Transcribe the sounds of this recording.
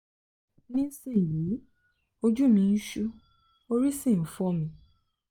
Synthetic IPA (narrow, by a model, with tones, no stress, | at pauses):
nĩ˦si˦˨ji˨˦ | o˧d͡ʒu˦mĩ˧˦ʃu˦ | o˧ɾi˦sĩ˦˨n̩˨˦fɔ˦mĩ˧